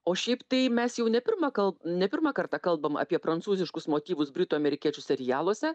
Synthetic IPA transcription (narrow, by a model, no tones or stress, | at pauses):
oːʃʲɛɪpt̪ɐɪmʲɛsjɛʊnʲɛpʲɪɾmɐkɐlˠnʲɛpʲɪɾmɑkɐɾt̪ɑkɐlˠbɐmɐ̰pʲiɛpɾɐnt̪suːzʲɪʃkʊsmoːt̪ʲiːʋʊsbʲɾʲɪt̪uːɐmʲɛɾʲɪkʲiɛt͡ʃʲʊsʲɛɾʲɪjæːlˠuɔsʲɛ